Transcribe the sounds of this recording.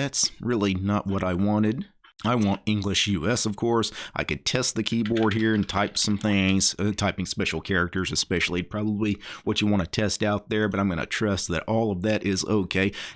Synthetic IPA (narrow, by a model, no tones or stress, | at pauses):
ætsɹɪlˠinəʔ̚wʌɾaɪwɑ̃ɾ̃ɪd | aɪwɑ̃ntɪ̃ŋɡlɨʃjʉɛsʌv̥kʰɔɹsʔa̰ɪkɨd̚tʰɛst̪̚ðɨkʰibɔɹd̚ɦiɹɨ̃ntʰaɪpsʌ̃mθɪ̃ŋz̥tʰaɪpɪ̃ŋspɛʃl̩ˠkʰɛɹɨk̚tə˞zɨspɛʃl̩ˠipʰɹ̥ɑbəbliwʌt͡ʃɨwɑ̃ñɨtʰɛstaʊt̪̚ðə˞bʌɾãɪ̃mɡʌ̰nɨ̰tʰɹ̥ʌst̪̚ðɨ̰ɾʔɔlˠʌvðɨɾʔɪzo̰ʊkʰeɪ